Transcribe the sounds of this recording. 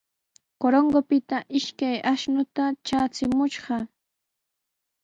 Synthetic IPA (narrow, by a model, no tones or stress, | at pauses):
koɾoŋɡopɪt̪aʔɪʃkajʔaʃnʊt̪at͡ʃaːt͡sɪmʊʃɢɑ